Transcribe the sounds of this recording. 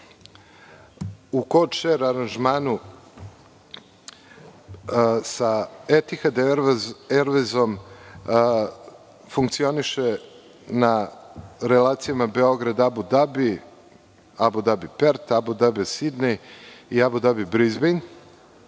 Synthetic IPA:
ukot͡ʃeɾaɾanʒmaːnu | saet̪ixad̪eɾeɾʋezo̞m | fuŋkt̪sio̞niʃe | na | ɾelaːt̪sijamabeo̞ɡɾad̪abud̪abi | abud̪abipeɾt̪abud̪abisid̪nejiabud̪abibɾizben

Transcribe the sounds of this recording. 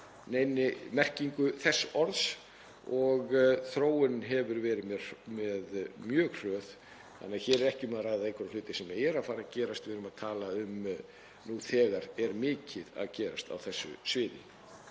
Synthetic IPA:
neːjnɪmɛr̥ciŋkʏθɛsːɔɾðs | ɔɣθɾoːwɪnɦɛvʏɾvɛːɾɪmɛ̥mɛðmjœːɣr̥œːθ | θa̰nːaðçɛːɾɛɾɛhcɪʏmɛaðraːjðaejkʰʏɾalʏːt̪ɪsɛmjɛɛɾaðfaːɾacɛːɾast̪vɪɾʏmaðt̪ʰaːlaʏm | nuθɛːɣaɾɛɾmɪːcɪða̰ðcɛːɾast̪a̰wθɛsːʏ̰svɪːðɪ̰

